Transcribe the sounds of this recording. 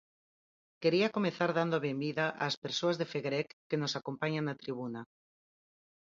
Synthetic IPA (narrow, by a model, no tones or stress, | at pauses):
keɾiakomeθaɾðand̪oaβemiðaʔa̰speɾsoazðefeɣɾɛkːenosakompaɲaŋnat̪ɾiβ̞una